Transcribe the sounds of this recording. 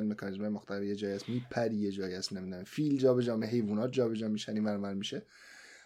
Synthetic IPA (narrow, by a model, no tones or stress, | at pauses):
nme̞kʰɒnizmɒːjemoxt̪ʰævijed͡ʒɒːjæsmiːpʰæɾijed͡ʒɒːjiæst̪nemid̪ifild͡ʒɒːbed͡ʒɒːmeɦe̞jvuːnɒːt̪̚d͡ʒɒːbed͡ʒɒːmiːʃæniːmænmæɾmiʃe